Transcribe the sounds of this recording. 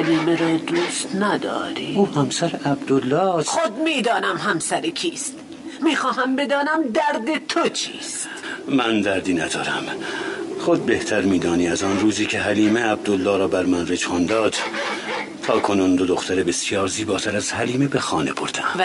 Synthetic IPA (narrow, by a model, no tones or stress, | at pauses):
hæliːmeɾɒːd̪ust̪næd̪ɒ̰ːɾiːuːhæmsæɾeæbd̪olːɒːsxod̪̚miːd̪ɒːnæmɦæmsæɾekʰiːst̪ | miːxɒːɦæmbe̞d̪ɒːnæmd̪æɾd̪et̪ʰot͡ʃʰiːst̪ | mænd̪æɾd̪iːnæd̪ɒ̰ːɾæm | χod̪̚be̞ht̪ʰæɾmiːd̪ɒːniːæzɒːnruːziːcʰe̞ɦæliːmeæb̚d̪olːɒːɾɒːbæɾmænred͡ʒɑnd̪ɒːd̪̥ | t̪ʰɒːkʰo̞nuːnd̪od̪oxt̪ʰæɾebe̞sjɒːɾziːbɒːt̪ʰæɾæz̥hæliːmebexɒːne̞̰bʰoɾd̪æm